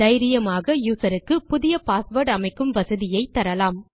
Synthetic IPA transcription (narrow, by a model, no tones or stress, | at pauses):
ɐɪɾɪjɐmaːɣɐjuːsɐɾɯkːɯpʊðɪjɐpaːsʋɐɾʈɐmɐɪkːɯmʋɐsɐðɪjɐɪt̪ːɐɾɐlaːm